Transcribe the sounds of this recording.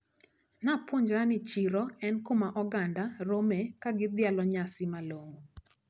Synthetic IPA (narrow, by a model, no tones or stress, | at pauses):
napwoɲd͡ʒɾanɪt͡ʃiɾɔɛnkomaʔɔɡandaɾomɛkaɡɪd̪ɪalɔɲasɪmaloŋo